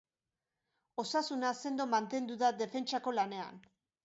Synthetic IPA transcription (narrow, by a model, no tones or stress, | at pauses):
o̞sasunase̞nd̪o̞mant̪e̞nd̪uðaðe̞fe̞nt͡ʃako̞lane̞a̰n